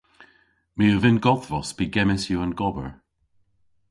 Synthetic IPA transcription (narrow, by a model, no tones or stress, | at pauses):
miəvɪnɡɔθvɔsbiɡɛmɪsjuanɡɔbə̰ɹ